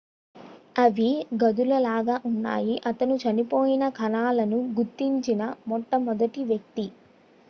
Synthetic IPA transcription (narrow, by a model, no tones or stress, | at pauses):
ɐʋiɡɐd̪ulɐlaːɡaːʔunːa̰ːjiʔɐt̪ɐnut͡ʃɐnipoːjinɐkʰɐnaːlɐnuɡuɾt̪ːiɲt͡ʃinɐmɔʈːɐmɔd̪ɐʈiʋjɐk̚t̪i